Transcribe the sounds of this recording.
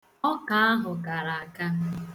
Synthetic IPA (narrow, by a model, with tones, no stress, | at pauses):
ɔ˦ka˨a˦ɦʊ˨ɡa˨ɾa˨a˨ka˦